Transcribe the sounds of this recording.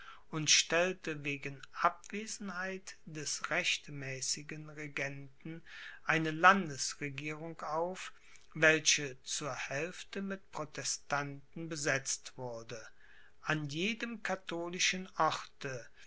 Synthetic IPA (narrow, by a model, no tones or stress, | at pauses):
ʊntʃtɛltəveːɡn̩ʔap̚v̥eːzn̩haɪtd̥ɛsʁɛçtmɛːsɪɡənʁeɡɛntn̩ʔaɪnəlandəsʁeɡiːʁʊŋkaʊf | vɛlçət͡suːɐhɛlftəmɪtpʁ̥otʰɛstantn̩bəzɛt͡stv̥ʊɐdə | ʔanjeːdəmkʰatʰoːlɪʃənʔɔʁtə